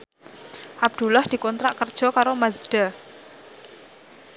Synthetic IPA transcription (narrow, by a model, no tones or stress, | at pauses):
ʔab̚d̪̥ṳlɔhd̪̥i̤kɔnt̪ɾaʔkərd̥ʒ̥ɔ̤kaɾomazɖ̪̥a